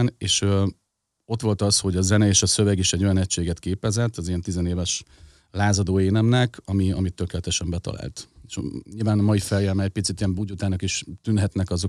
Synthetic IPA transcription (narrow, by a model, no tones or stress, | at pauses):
neːʃø | o̞t̪ʋo̞lt̪ɒsho̞ɟɒzɛnɛeːʃɒsø̞vɛɡiʃɛɟːo̞jɒnɛcʃeːɡɛt̪keːpɛzɛt̪ːɒzijɛnt̪izɛneːvɛʃ | laːzɒd̪oːeːnɛmnɛkʰɒmiɒ̰mit̪ːøkeːlɛt̪ɛʃɛmbɛt̪ɒ̰la̰ːlt̪eʃɲilvaːnɒmɒjifɛljɛmɛɛc̚pit̪sit̪ijɛmbuɟut̪aːnɒkiʃt̪ynɦɛt̪nɛkɒzo̞